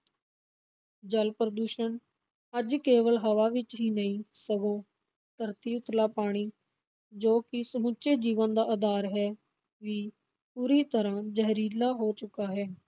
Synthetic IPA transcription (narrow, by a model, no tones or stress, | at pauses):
d͡ʒəlpɾəd̪uːʃən | əd͡ʒkeːʋəlɦəʋaːʋɪt͡ʃɦiːnəĩːsəɡõː | t̪əɾt̪iːʊt̪laːpaːɽ̃iː | d͡ʒoːkɪsəmʊt͡ʃeːd͡ʒiːʋənd̪aːʔəd̪aːɾɦɛː | ʋiː | puːɾiːt̪əɾãːd͡ʒəɦɾiːlaːɦoːt͡ʃʊkaːɦɛː